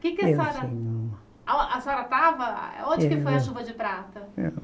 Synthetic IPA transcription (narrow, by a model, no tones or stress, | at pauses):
kɪkɪɐsɔɾɐɐɐ̃ | ɐsɔɾɐt̪avɐõd͡ʒɪkɪfojɐʃuvɐd͡ʒɪpɾat̪ɐɛ̰